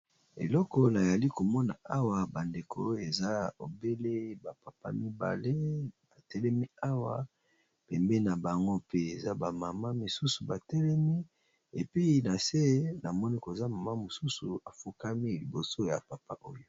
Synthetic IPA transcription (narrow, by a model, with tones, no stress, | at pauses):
ḛ˨lɔ˦kɔ˦na˨ja˨li˦ko˨mɔ˦na˨a˦wa˨ba˨nde˨kʰo˨˦e˨za˦o̰˨be˦le˦ba˨pa˨pa̰˦mi˦ba̰˨le˦b̥a˨tɛ˦lɛ˦mi˦a˦wa˨ | pɛ˨mbe˦na˨ba˨ŋɡo˦pe˦e˨za˦ba˨ma˨ma˦mi˨su˦su˨ba˨tɛ˦lɛ˦mi˦ | e˨pi˦na˨se˦na˨mɔ˦ni˦ko˨za˦ma˨ma˦mo˨su˦su˨a˨fu˦ka˦mi˦li˨bo˨so˦ja̰˨pa˨pa˦ʔo˦jo˨